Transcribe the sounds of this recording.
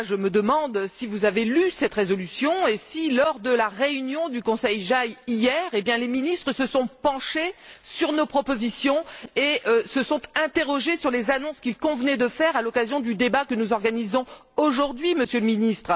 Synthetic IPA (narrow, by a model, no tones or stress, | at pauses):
ʒəməd̪əmɑ̃d̪sivuzavelysɛt̪ʁezɔlysjɔ̃esilɔʁd̪əlaʁeynjɔ̃d̪ykɔ̃sɛjʒajijɛʁebjɛ̃leminist̪χəsəsɔ̃pɑ̃ʃesyʁnopχɔpozisjɔ̃eʔsəsɔ̃t̪ɛ̃t̪eʁɔʒesyʁlezanɔ̃skʲilkɔ̃vənɛd̪əfɛʁalɔkazjɔ̃d̪yd̪ebakənuzɔʁɡanizɔ̃ | oʒuʁd̪ɥiməsjələminist̪χ